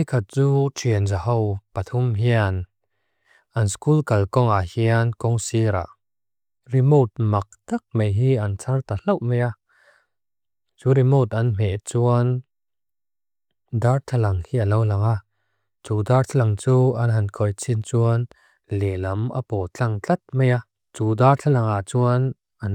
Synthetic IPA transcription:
ikʰat̪̚t͡suːtʰiənzahɔwpat̪ʰumɦian | ʔɐnskulkɐlkɔŋahiankɔŋsiɾa̰ | rimot̪̚mɐk̚t̪ɐk̚mejɦiɐnt͡sʰɐrt̪al̥ɐwʔmeja | t͡suɾimot̪̚ɐnm̥ɛʔt͡suɐn | dartʰɐlɐŋhiːʔɐlɐwlɐŋa | t͡sudartʰalɐŋt͡suːɐnɦɐnkʰɔjt͡sʰint͡suən | lɛlɐma̰pɔt͡ɬɐŋt͡ɬɐt̪̚meja | t͡suːdart͡ɬʰɐlɐŋaʔt͡suən | ʔɐn

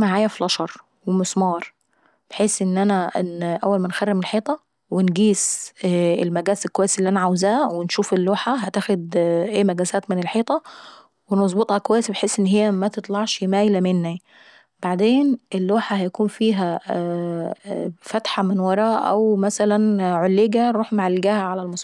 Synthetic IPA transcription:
maʕaːjæflɑʃɑɾˤ | wemosmɑːɾˤ | b̥eħeːsʔenːʔænæʔenːʔæwːælmænxærːemelħeːt̪ˤɑ | wenɡiːs | elmæɡæːselkːowæjːesielːiʔænæʕawzæːwenʃuːfelːoːħaɦæt̪æːxod̪ʔeːmæɡæsæːt̪menelħeːt̪ˤɑ | wemɑzˤbet̪ˤhɑkowæjːesbeħeːsʔenːɦejːæmæt̪et̪ˤlɑʕʃemæːjlæmenːæ | baʕd̪eːnʔelːoːħahæjækuːnfiːɦæ | fæt̪ħamɪnwɑɾˤɑːʔæ̰wmæsælænʕolːeɡæɾˤuːħmʕalːɪɡæːhæʕalælmɑsˤ

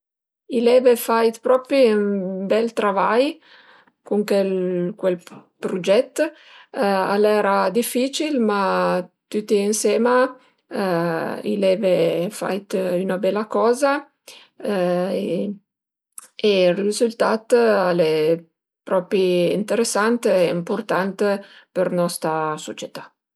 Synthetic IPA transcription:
ilɛːvefajt̪pɾɔːpɾiymbɛlt̪ɾavaj | kuŋkɛlkwelpɾud͡ʒɛt̪ː | a̰lɛːɾad̪ifːiːt͡ʃilmat̪ut̪ːiinsɛːma | ḭlɛːvefa̰jt̪ynabɛlːakɔːza | e | erizult̪at̪ale | pɾɔːpiint̪eɾesːant̪ɛimport̪ant̪pernɔst̪ɾasot͡ʃet̪a

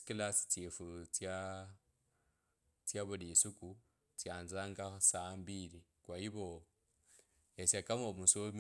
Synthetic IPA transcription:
kilasi̥t͡sefut͡sja | t͡sjaβulisuku | t͡sjaːnzaːŋɡasambiɾikwaiβo | esakamomusom

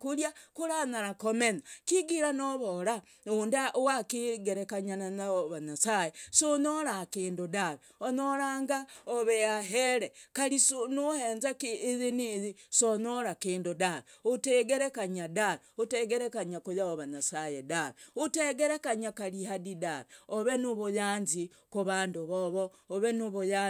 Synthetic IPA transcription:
kuljakuɾanaɾakomenakiɡiɾanoβoɾa | ondaʔowakiɡeɾekaɲananaoβaɲasajesonoɾakeːndudaβe | onoɾaːŋɡaoβejaɦeɾekaɾisonoheːnzakːzenizisonoɾakiːndudaβeuteɡeɾekaɲadaɾeuteɡeɾekaɲakujaβoβaɲasajedaɾeuteɡeɾekaɲakalihadidaɾeoβenuβujaːnzi | kuβaːnduβoβo | oβenuβuja

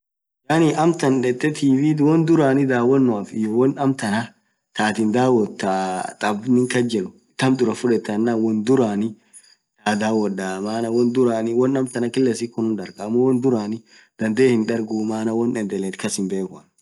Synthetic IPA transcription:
janɪɐmt̪ɐnᶑɛt̪ːɛt̪ʰiːbiːd̪wɔnd̪ʊɾaːnɪd̪aːwɐnːʊafɪ̰jɔwɔnɐmt̪ɐnɐ | t̪aːt̪ɪnd̪aːwɔt̪ːat̪ʼɐbnɪŋkɐd͡ʒɛlʊ̥ | t̪ːɐmd̪ʊɾɐfʊᶑɛt̪ːɐnːawɔnd̪ʊɾaːnɪ | t̪aːd̪aːwɔdaːmaːnɐwɔnd̪ʊɾaːnɪwɔnɐmt̪ɐnɐkɪlːɛsɪkːʊnʊnᶑɐɾɡɐmːɔwɔnd̪ʊɾaːnɪ | d̪̥ɐnd̪eːhɪnᶑɐɾɡuːmaːnɐwɔnɛnd̪ɛlɛt̪kɐsɪmbe̞ːkʊɐn

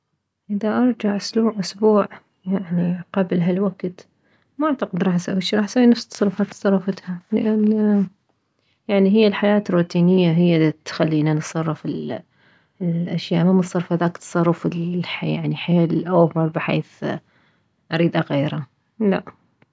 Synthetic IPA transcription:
ʔɪðaʔɑɾˤd͡ʒaʕʔʊsluːʕʔʊsbuːʕ | jaʕniqablɦalwaɡt̪ | maʔaʕt̪ɑqɪd̪ɾˤɑħsaiʃɾˤɑːħsawinafst̪sˤɑrˤːɑfɑːt̪ːsˤɑrˤːɑfat̪halɪ̰ʔan | jaʕniɦɪjːalħajaːt̪rːuːt̪iːnɪjːaɦɪjːat̪xalːiːnansˤɑrˤːɑfɪl | ʔaʃjaːʔmamət̪sˤɑrˤfaðaːkt̪sˤɑrˤːɑfɪlħja̰ʕniħeːlʔawfɑɾˤbɪħḛːθ | ʔɑɾiːd̪ʔaɣeːɾa | la̰ʔ

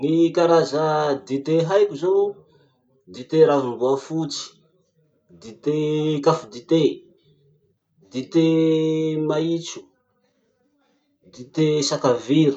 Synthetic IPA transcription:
nikaɾazəd̪it̪eɦajkʲuzonu | d̪it̪eɾavimbuafut͡si̥ | d̪it̪ekafud̪it̪e | d̪it̪e | mait͡ʃu̥ | d̪it̪esakaviɾi̥

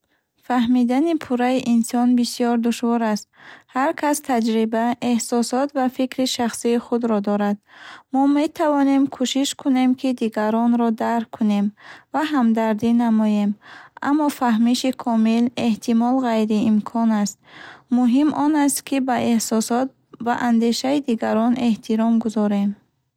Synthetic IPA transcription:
faɦmid̪anipʰuɾaiʔinsɔnbisijɔɾd̪uʃvɔɾast̪̚haɾkʰast̪ʰad͡ʒɾibaehsɔsɔt̪vafikɾiʃaχsiːχud̪ɾɔd̪ɔɾad̪mɔme̞t̪ʰavɔne̞mkʰuʃiʃkʰune̞mkʰid̪iɡaɾɔnɾɔd̪aɾkʰːune̞mvaɦamd̪aɾd̪inamɔje̞ma̰mːɔfaɦmiʃikʰɔmile̞ht̪ʰimɔlʁajɾiːmkʰɔnast̪̚muɦimʔɔnast̪kʰibaʔe̞hsɔsɔt̪̚ | va̰ʔand̪e̞ʃaid̪iɡaɾɔne̞ht̪ʰiɾɔmɡuzɔɾe̞m

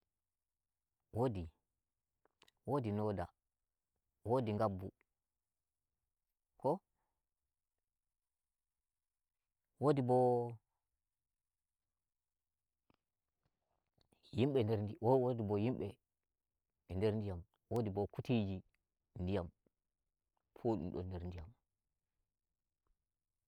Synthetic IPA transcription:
wodi | wodinoda̰ | wodiŋɡabːu | kɔ | wodibɔ | jimɓɛndɛɾndiwowodibɔjimɓɛ | ndɛɾndijam | wodibɔkutid͡ʒi | ndijam | pʰoɗṵmɗɔ̰ndɛɾndija̰m

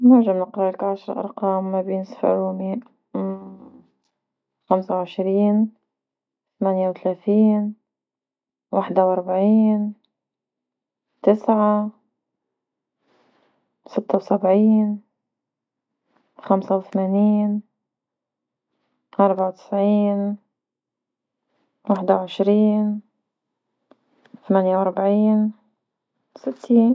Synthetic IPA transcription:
nʊɾʒamnɪqɾˤɑlakʕaʃɾˤʔɑ̰ɾˤqɑːmːabɪːnsfɪ̰ɾuːmiʔ | xamsawʕɪʃɾiːn | θamanjawt̪alaːt̪iːn | waħd̪awʔɑɾˤbaʕiːn | t̪ɪsʕa | sɪt̪ːawsabʕiːn | xamsawθmaːniːn | ʔɑɾˤbaʕawt̪ɪ̥sʕiːn | waħd̪awʕɪʃɾiːn | θamaːnjawʔɑɾˤbaʕiːn | sɪt̪ʰːiːn

